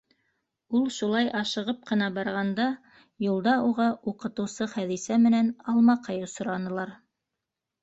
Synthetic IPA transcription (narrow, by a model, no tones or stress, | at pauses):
ulˠʃulˠɑjʔɑʃɤ̆ʁɤp̚qɤ̆nɑbɑɾʁɑnd̪ɑ | julˠd̪ɑuʁɑʔuqɤ̆t̪ɤ̆wsɤχæðisæmɘ̆nænɑlˠmɑqʰɑjosŏɾɑnɤ̆lˠɑɾ